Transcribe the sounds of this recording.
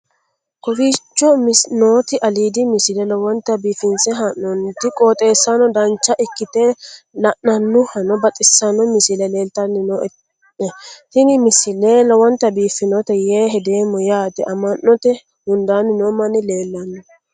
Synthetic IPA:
kɔfiːt͡ʃːɔmɪsnoːt̪ɪʔɐliːd̪ɪmɪsɪlɛlɔwɔnt̪ːɐbiːfɪnsɛɦannɔnt̪ɪkʼoːt̪ʼe̞ːsːɐnɔd̪ɐnt͡ʃːɐʔɪkːɪt̪elɐʔnɐnːʊhɐnɔbɐt̪ʼɪsːɐnɔmɪsɪlɛle̞ːlt̪ɐnːɪnɔɛ | ɛt̪ɪnɪmɪsɪlelɔwɔnt̪ɐbiːfɪnɔt̪ɛjeːɦɛd̪eːmːɔjaːt̪ɛʔɐmɐnːɔt̪ɛ | hʊnd̪aːnːɪnɔmɐnɪle̞ːlːɐnːɔ

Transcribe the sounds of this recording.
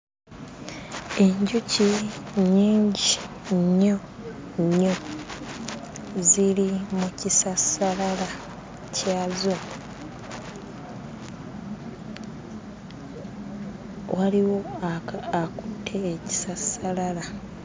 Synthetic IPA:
e̞ɲɟuciɲiːɲɟi | ɲːo | ɲːo | zilimucisasalala | cʰaːzo | waliwo̞ | akutʰːe̞ːci̥sasalala

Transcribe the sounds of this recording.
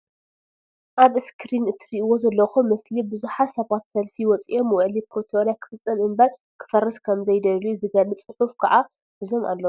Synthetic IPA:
ʔaβɨskʰɨɾinɨt̪ʰɨɾiʔɨwo̞zɐlːɐxumɐslibɨzuħasɐβat̪sɐlfiwɔt͡sʼijo̞mːɨwʕlipɾot̪ʰeoɾjakʰɨ̥fɨt͡sʼːɐmɨmbɐɾ | kʰɨ̥fɐrːɐskʰɐmzɐjd̪ɐlujzɨɡɐlɨt͡sʼɨxufkʰɐʔa | ʔɨzo̞ma̰lːɐu

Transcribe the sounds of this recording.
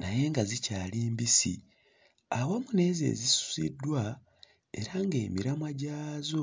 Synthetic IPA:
naje̞ŋɡazicaːliːmbisḭ | awamune̞ːzḛːzisu̥zḭdːwa | e̞̰ɾaŋɡe̞ːmiɾamwaɟaːzo̞

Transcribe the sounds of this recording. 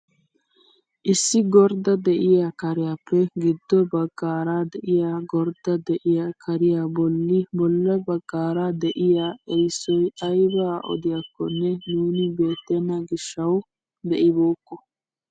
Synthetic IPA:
ʔɪsːɪɡɔɾd̪ɐd̪ɛʔɪjakɐɾɪjaːpːɛɡɪd̪ːɔbɐɡːaːɾaːd̪ɛʔɪjaɡɔɾd̪ɐd̪ɛʔɪjakʰɐɾɪjabɔlːɪbɔlːɐbɐɡ̥ːaːɾaːd̪ɛʔɪjaːɛjsːɔjɐjbaːʔɔ̰d̪ɪjɐkːɔnːɛnuːnɪbe̞ːt̪ːɛnɐɡɪʃːɐw | d̪ɛʔɪboːkːɔ

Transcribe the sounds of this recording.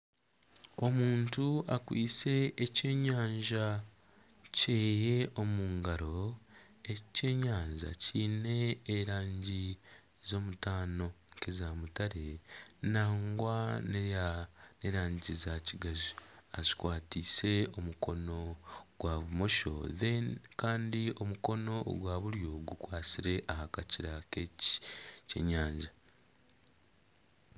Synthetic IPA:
o̞muːntuakwḭːse̞ʔːceːɲaːɲʒa | ceːjeo̞muːŋɡaɾo̞ | ece̞ːɲaːɲʒa̰ciːne̞ːɾaːɲɟi | zo̞ːmutaːno̞ŋkezamutaɾenaːŋɡwanjane̞ɾaːɲɟizaciɡazuazi̥kwaːtiːse̞o̞muko̞no̞ɡ̥waβumo̞ʃo̞̰ðekaːndio̞muko̞no̞ɡwaːβuɾjo̞ɡukwaːsiɾe̞ʔahakaciɾake | cḛɲaːɲɟa

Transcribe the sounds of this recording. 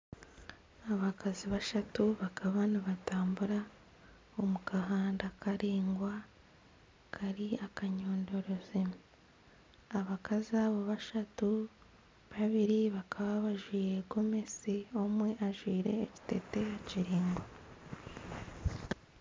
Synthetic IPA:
aβakaziβaʃatuβakʰaβaniβataːmbuɾa | omukaɦaːndakʰaɾiːŋɡwa | kʰaɾiakaɲo̞ːndo̞ɾo̞ze | aβakʰaziaβo̞βaʃatu | βaβiɾiβakʰaβaβaʒwiːɾe̞ɡo̞me̞sio̞mwe̞ʔaʒwiːɾe̞ːci̥te̞te̞jaciɾiːŋɡa

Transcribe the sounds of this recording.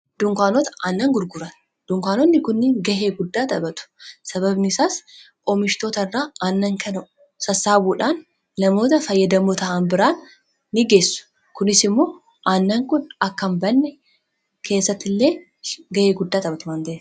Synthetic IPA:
d̪ʊŋkʷaːnɔt̪ɐɐnːɐŋɡʊɾɡʊɾɐn | d̪̥ʊŋkʷaːnɔnːɪkʊnːɪŋɡɐheːɡʊd̪ːaːt̪ɐbɐt̪ʊ̥sɐbɐbnɪsaːsʼ | oːmɪʃt̪oːt̪ɐɪrːaːɐnːɐŋkʰɐnɐʊ | sɐsːaːbuːᶑaːnː | ɐmo̞ːt̪ɐfɐjːɐd̪ɐmʊt̪ɐʔanbɪɾaːnː | ɪɡe̞ːsːʊ̥ | kʊnɪsɪmːo̞ː | ʔɐnːɐŋkʊnɐkːɐmbɐnːɛ | kʰe̞ːsːɐt̪ːɪlːe̞ː | ɡɐheːɡʊd̪ːaːt̪ʼɐbɐt̪ʊmaːnd̪ɐeːs

